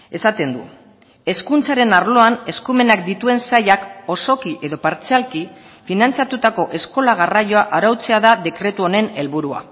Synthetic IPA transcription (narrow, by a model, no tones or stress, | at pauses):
e̞sat̪e̞nd̪ṵ | e̞skunt͡saɾe̞naɾlo̞ane̞skume̞nakd̪it̪ue̞nsajako̞so̞kiʔe̞ðo̞paɾt͡sealki | finant͡sat̪ut̪ako̞ʔe̞sko̞laɣ̞arajo̞aʔaɾawt͡se̞aðaðe̞kɾe̞t̪uo̞ne̞ne̞lβuɾua̰